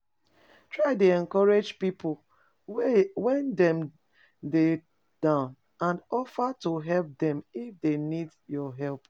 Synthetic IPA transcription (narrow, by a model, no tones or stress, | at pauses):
tɹaɪdeɛ̃nkɔɹed͡ʒpipʰʊl | wɛ̃ndɛ̃m | de | d̥ãʊ̃n | ãndɔfatuɦɛlp̚dɛ̃mifdenidjɔɦɛlp